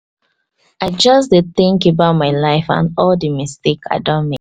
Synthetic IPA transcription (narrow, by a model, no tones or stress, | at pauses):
aɪd͡ʒʌsdeθĩŋkebaʊt̚maɪlaɪfã̰nɔldimisteka̰ɪdɔ̃nme